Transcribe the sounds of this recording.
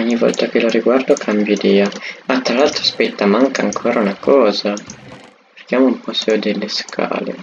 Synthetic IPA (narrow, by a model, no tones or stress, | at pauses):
ɔɲːivɔ̰lt̪akeloɾiɡward̪okʰambjid̪iːaat̪ːɾalalt̪ɾoaspɛt̪ːamaŋkaŋkʰoːɾaunakʰɔːza | e̥rkjaːmoumpɔseod̪elːeskʰa̰ːlḛ